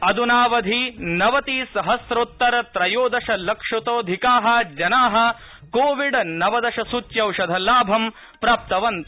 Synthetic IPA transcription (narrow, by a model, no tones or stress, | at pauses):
ɐd̪unaːʋɐd̪ʱinɐʋɐt̪iːsɐɦɐsɾot̪ːɐɾɐt̪ɾɐjoːd̪ɐʃɐlɐkʂɐt̪oːd̪ʱikaːɦɐd͡ʒɐnaːɦɐ̆ | koːʋiɖɐnɐʋɐd̪ɐʃɐsut͡ʃjɐwʃɐd̪ʱɐlaːbʱɐm | pɾaːp̚t̪ɐʋɐnt̪